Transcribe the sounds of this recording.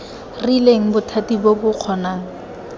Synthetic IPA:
rileŋ̩bʊtʰatibobʊq͡χʰɔnaːŋ̩

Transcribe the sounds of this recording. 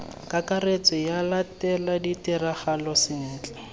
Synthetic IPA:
kakaret͡sɔjalatɛladitɪraχalɔsɪn̩ːt͡ɬʼɛ

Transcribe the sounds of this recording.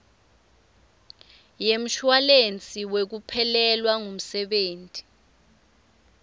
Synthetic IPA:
jem̩ʃwalent͡sʼiwek̬upʰɛlɛlwaŋum̩sɛɓeːntʼi̥

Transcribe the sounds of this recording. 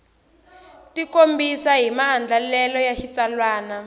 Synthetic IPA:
tikombisaɦimaɦand͡ɮʱalɛlɔjaʃit͡salwaːna

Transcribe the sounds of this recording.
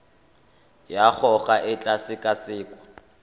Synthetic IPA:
jak͡xʰɔχaʔɪt͡ɬʼasɪkʼasɪːkʼwɔ

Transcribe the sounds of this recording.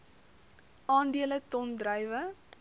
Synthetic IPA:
ʔɑːndiələtɔndrəjvə

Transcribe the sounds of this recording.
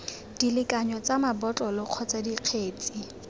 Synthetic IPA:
d̥ilɪkʼaɲɔt͡samabɔt͡ɬʼɔlɪq͡χʰɔt͡sadiq͡χʰeːt͡sʼi

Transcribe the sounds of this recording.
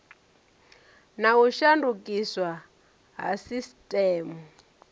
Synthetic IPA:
nauʃandukiswa | ɦa̰sistʼɛːmu

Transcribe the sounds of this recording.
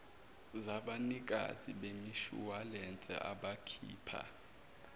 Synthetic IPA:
zaɓanik̬ʼa̰ziɓemiʃṵwalɛnt͡sʼɛ̰ʔaɓakʰḭːpʰa̰

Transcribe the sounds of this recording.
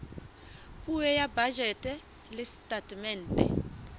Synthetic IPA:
pʼujɛjabad͡ʒʱɛtʼɛ | lɪstʼatʼmɛntʼɛ̰

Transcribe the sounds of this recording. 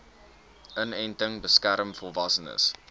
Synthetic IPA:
ʔənɛjntəŋbəskæɾəmfɔlˠvɐsənə̰s

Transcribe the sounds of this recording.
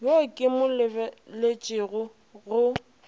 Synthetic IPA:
bokʼɪmʊlɪlet͡ʃʼɪɣʊ | ɣʊ

